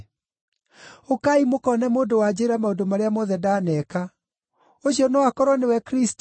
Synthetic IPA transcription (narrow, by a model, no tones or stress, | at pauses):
okaimokɔnɛmoːdowad͡ʑeːɾamaodomaɾeamɔðɛdaːnɛka | oɕiɔnɔwakɔɾwɔnewɛkɾist